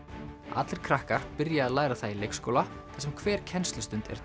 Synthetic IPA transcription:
a̰t̪lɪɾ̥kʰɾahkar̥pɪɾjaːðlaːjɾaθailejkskoːwla | t̪ʰḁsɛmkʰvɛːɾ̥cʰɛnst̪lʏst̪ʏnt̪ɛ̰ɾ̥

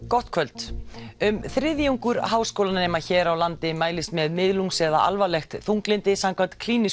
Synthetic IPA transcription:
kɔht̪̚kʰvœlt̪ʏmθɾɪðjawŋkʏɾɦaːwskowlannɛːmaçɛːɾawlant̪ɪmaːjlɪst̪mɛðmɪðluŋsɛða̰ʔa̰lvalɛxt̪θuŋklɪnt̪ɪsamkʰvant̪kʰliːnɪs

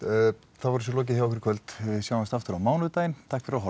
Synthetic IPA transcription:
θavɔɾs̬ɛlɔːc̬ɪçjawɔkvɾkʰvœlt̪vɪðsjaːwmast̪aft̪ʏɾawmaːwnʏðt̪aːjɪnt̪ʰakfɪɾaɦɔ

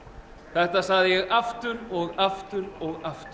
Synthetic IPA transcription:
θɛht̪asaɣðɪjɛɣaft̪ʏɾɔɣaft̪ʏɾɔɣaft̪

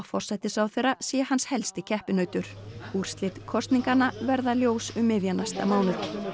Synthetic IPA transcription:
fɔr̥sajt̪ɪsawθejrːasɛːɛɦanːshɛlst̪ɪcʰɛhpɪnœːɥt̪ʏɾ̥uɾ̥st̪lɪt̪kʰɔst̪niŋkanːavɛɾðaljoːwsʏmːɪðjanast̪a̰maːwnʏ

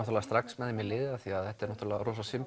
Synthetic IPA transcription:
ɔht̪ɾlɛast̪ɾaksmɛðɪmɪlɪːðaθiaðɛht̪aɛɾnɔht̪ɾlːaɾɔːsasɪm

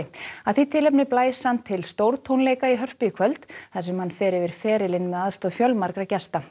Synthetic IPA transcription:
ɪaðθit̪ʰɪlɛpnɪplaːjshant̪ʰːɪlst̪owɾt̪ʰownleːjkaiɦœr̥piɪkʰvœlt̪θasɛmhanːfɛːɾɪvɪɾ̥fɛːɾɪlɪnmɛðaðst̪ɔðfjœlmaɾkɾacɛst̪a

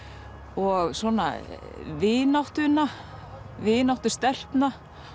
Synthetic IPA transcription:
ɔɣswɔːna̰ | vɪːnawht̪ʏnːa | vɪːnawht̪ʏst̪ɛl̥t̪na

